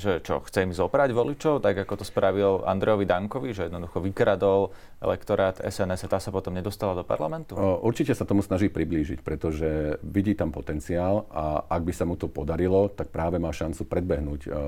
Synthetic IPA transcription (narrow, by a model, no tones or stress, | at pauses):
ʒɛt͡ʃɔ̰xt͡sɛimizɔbɾaɟʋɔlit͡ʃɔʊt̪aɡakɔt̪ɔspɾaʋila̰nd̪ɾɛjɔʋid̪aŋkɔʋiʒɛjɛd̪nɔd̪uxɔʋikɾad̪ɔl | ɛ̰lɛ̰kt̪ɔɾaːt̪ɛ̰sɛnɛsat̪aːsapɔt̪ɔmɲɛd̪ɔst̪alad̪ɔpa̰ɾla̰mɛnt̪uʔuɾt͡ʃicɛsat̪ɔmusnaʒiːpɾibliːʒḭcpɾɛt̪ɔʒɛʋiɟiːt̪ampɔt̪ɛnt͡siaːlaʔaɡ̚bisamut̪ɔpɔd̪aɾilɔt̪ak̚pɾaːʋɛmaːʃant͡supɾɛd̪̚bɛɦnuːc